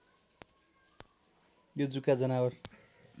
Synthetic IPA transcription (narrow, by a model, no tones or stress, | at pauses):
jod͡zukad͡zʌnawʌr